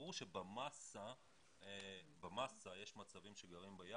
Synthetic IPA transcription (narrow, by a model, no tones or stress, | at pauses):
uʃebamasa | bamasaje̞ʃmat͡savimʃeɡaʁimbaja